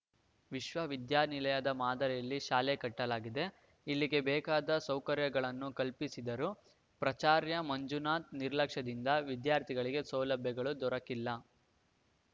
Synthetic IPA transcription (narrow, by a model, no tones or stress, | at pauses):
ʋiʃʋɐʋid̪jaːnilɐjɐd̪ɐmaːd̪ɐɾɛjɐlːiʃaːlekɐʈːɐlaːɡid̪e̞ | ilːiɡe̞bɛːkaːd̪ɐsɐwkɐɾjɐɡɐɭɐnːukɐlpisid̪ɐɾu | pɾɐt͡ʃaːɾjɐmɐɲd͡ʒunaːt̪niɾlɐkʂɐd̪ind̪ɐʋid̪jaːɾt̪ʰiɡɐɭiɡe̞sɐwlɐbʱjɐɡɐɭud̪ɔɾɐkilːɐ